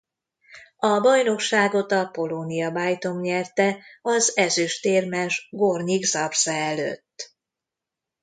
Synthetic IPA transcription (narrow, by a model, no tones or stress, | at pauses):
ɒbɒjno̞kʃaːɡo̞t̪ɒpo̞lonijɒbaːjt̪o̞mɲɛrt̪ɛɒzɛzyʃt̪eːrmɛʒɡorɲiɡzɒrsɛɛlø̰t̪ː